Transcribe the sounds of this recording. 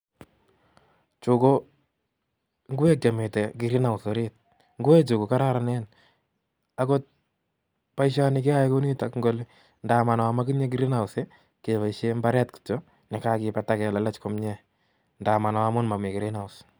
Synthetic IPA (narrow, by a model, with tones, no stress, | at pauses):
t͡ʃo˨ko˦ | ŋɡʊ˦wɛ˦k̚t͡ʃa˨me˨tɛ˨kɪ˨ɾi˦na˨ʊ˨so˨ɾe˦t̚ | ŋɡu˦ɛ˦t͡ʃo˨ko˨ka˦ɾa˦ɾa˨nɛ˦n | a˦ko˦t̚ | pa˦iʃa˦ni˦ke˦a˦eko˦ni˦ta˦kŋɡo˦li˦ | nda˨ma˨n˨a˨ma˦ki˦ɲe˦k̬i˦ɾɪ˦na˨ʊ˨se˦ | ke˨βa˨iʃe˦mba˦ɾɛ˦tki̥tɔ˦ | nɛ˨ka˦kɪ˨pa˨ta˦kɛ˨lɛ˨˦lɛ˦t͡ʃko˦mɲɛ˦ | nda˨ma˨n˨wa˦mʊ˦nma˨me˨kɪ˨ɾɪ˦na˨ʊs